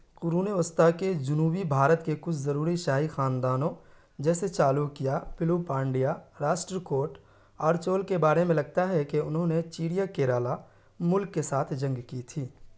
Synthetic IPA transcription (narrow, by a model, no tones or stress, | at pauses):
qʊɾuːneʊst̪aked͡ʒʊnuːbibʱaːɾət̪kekʊt͡ʃʰzɐɾuːɾiʃaːɦixaːnd̪aːnõ | d͡ʒɛːset͡ʃaːlukijapɪluːpãːɳɖijaɾaːʃʈɾəkoːɾʈ | ɔːɾt͡ʃoːlkebaːɾemẽlɐɡ̚t̪aɦɛkeʊnɦõnet͡ʃiːɽijakeːɾaːla | mʊlkːesaːt̪ʰd͡ʒɐ̃ŋɡkit̪ʰiː